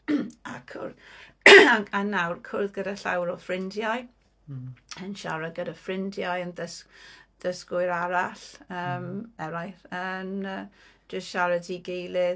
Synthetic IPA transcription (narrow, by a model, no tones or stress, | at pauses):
a̰kʰʊ̰rð | aanawrkʰʊrðɡədaɬa̰wɾɔfrɪndjaj | ənʃaɾaɡədafrɪndjajəndəsð̥əskʊɨɾaɾaɬəːmɛɾajθənə̥ː | d͡ʒəstʃaɾədiɡejlɪ